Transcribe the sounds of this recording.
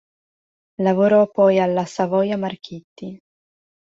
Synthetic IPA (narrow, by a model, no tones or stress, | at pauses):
lavoɾɔpːɔjalːasavɔjamarkʰit̪ːi